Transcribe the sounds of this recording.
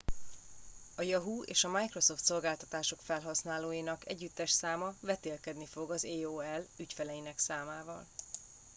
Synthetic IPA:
ɒjɒɦuḛːʃɒmajkro̞so̞ft̪so̞lɡaːlt̪ɒt̪aːʃo̞kfɛlɦɒsnaːloːjinɒkɛ̰ɟːyt̪ːɛʃsaːmɒvɛt̪eːlkɛd̪nifo̞ɡɒzeːoːɛlycfɛlɛjinɛksaːmaːvɒ̰l

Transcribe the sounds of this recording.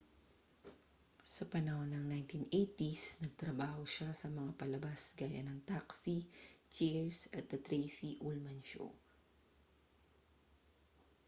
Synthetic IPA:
sɐpɐnɐonɐŋnajnt̪inʔejt̪isnɐɡ̚t̪ɾɐbaːhoʃasɐmɐŋapɐlɐbasɡaːjɐ̰nɐŋt̪aksit͡ʃɛɹsɐt̪̚d̪ɐt̪ɾejsiʔulmɐnʃo̰

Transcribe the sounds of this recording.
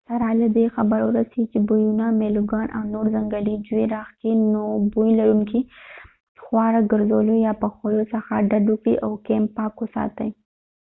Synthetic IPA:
saɾɑlad̪exabəɾwʊɾasit͡ʃebujunameluɡɑːnʔa̰wnoɾzaŋɡalid͡ʒueɾɑxkinobujlaɾuŋki | xwɑɾaɡəɾzolojɑpəxojosaxaɖad̪ukɽḭʔawkempɑkosɑ̰t̪aj

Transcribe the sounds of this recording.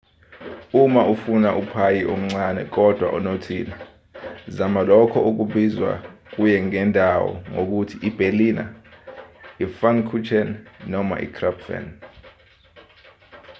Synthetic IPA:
umaʔufunaʔupʰajiʔom̩ŋ͡ǀanɛ̰k̬ɔd̥ʱwa̰ʔunotʰina | zamalɔkʰɔʔuk̬uɓizwa̰k̬ujɛŋɛndʱawɔ̰ŋok̬utʰiʔib̥ʱelina̰ | ifankʰut͡ʃʰɛnnɔma̰ʔḭkʰrapfɛ̰n

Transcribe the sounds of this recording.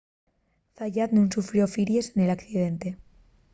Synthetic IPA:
θaʎad̪nũnsufɾjo̞fiɾje̞sene̞lakθiðe̞nt̪e

